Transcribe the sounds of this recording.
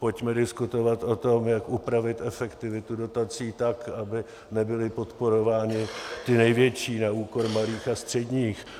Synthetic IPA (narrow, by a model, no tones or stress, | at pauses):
po̞cmɛdɪskut̪o̞vat̪ʔo̞t̪o̞mjakupɾavɪt̪ɛfɛkt̪ɪvɪt̪udo̞t̪at͡siːt̪akabɪ | nɛbɪlɪpo̞t̪po̞ɾovaːɲɪt̪ɪnɛjvjɛt͡ʃiːnauːko̞ɾmaliːxast̪r̝̥ɛdɲiːx